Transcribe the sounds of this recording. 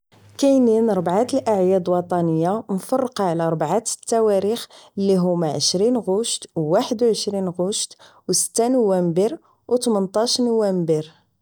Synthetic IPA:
kæjninɾˤbʕat̪əlʔaʕjæd̪wɑt̪ˤɑnəjːanfɑrˤːqʕlæɾˤbʕat̪t̪ːæwæɾixəlːiɦʊmæʕəʃɾinɣʊʃt̪wwaħəd̪wʕəʃɾinɣʊʃt̪ | wsə̥t̪ːænuwæmbiɾ | wt̪mənt̪ˤɑʃnuwæmbiɾ

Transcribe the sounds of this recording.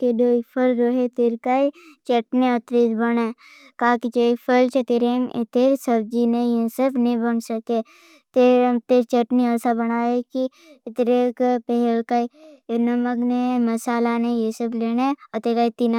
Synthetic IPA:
kedoːipʰəlɾoɦet̪eɾkait͡ʃəʈniət̪ɾid͡ʒ̪bəne | kaːkit͡ʃoːipʰəlt͡ʃʰet̪eɾemɪ̰t̪eɾsəb̚d͡ʒinejesəbnẽbənsəke | t̪eemt̪eɾt͡ʃəʈniəsabənaːeki | t̪ɾekpɛɦɛlkainəməknemɐsaːlanejesəbleːneət̪eɾkaːit̪ina

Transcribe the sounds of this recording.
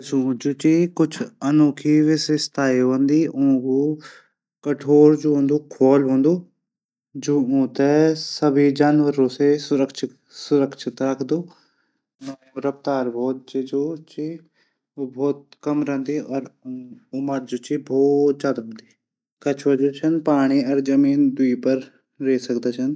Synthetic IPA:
d͡ʒuːd͡ʒoːt͡ʃiːkʊt͡ʃʰənoːkʰiːʋɪsest̪ʰaːiə̃nd̪iːʔõːkuː | kəʈʰoːɾd͡ʒuːɦõnd̪oːkʰɔːlɦõːnd̪oː | d͡ʒoːõːt̪ɛsəbʱiːd͡ʒaːnʋəɾõːseːsʊɾəkʃʰɪ | sʊɾəkʃʰɪt̪ɾəkʰd̪oː | nãːʊɾəpt̪aːɾbʱɔːt̪̚d͡ʒed͡ʒoːt͡ʃiː | oːbʱɔːt̪̚kəmɾɛ̃nd̪iːɔːɾʊməɾd͡ʒoːt͡ʃiːbʱɔːt̪̚d͡ʒaːd̪ɦõːnd̪iː | kət͡ʃʰʋəd͡ʒoːt͡ʃʰənpaːɽ̃iːəɾd͡ʒəmiːnd̪ʊiːpəɾ | ɾeːsəkd̪aːt͡ʃʰən

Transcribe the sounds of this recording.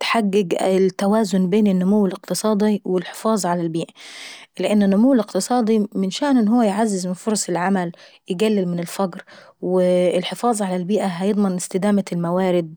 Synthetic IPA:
t̪ħaɡːɪɡt̪ːawaːzʊnbeːnɪnːʊmuwːɪlɪq̚t̪ɨsˤɑːd̪ˤiwɪlħɪ̥fɑːzˤʕalalbiːʔalɪʔɪnːɪnːʊmʊwːɪlɪqt̪ɨsˤɑːd̪ˤimɪnʃaːʔnɪnːhʊwːajʕazːɪzmɪnfoɾˤɑsˤɪlʕamæljɪɡælːɪlmɪnɪlfɑɡɾwɪːlħɪfɑːzˤʕalalbiːʔaɦæjɨd̪ˤmɪnɪst̪ɪd̪aːmalmawaːɾɪd̪̚

